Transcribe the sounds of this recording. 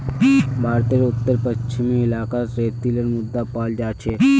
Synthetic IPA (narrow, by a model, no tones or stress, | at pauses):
bʱaːɾt̪eɾʊt̪ːəɾpət͡ʃt͡ʃʰimiɪlaːkasɾeːt̪iləɾmʊd̪ːapaːld͡ʒaːt͡ʃʰe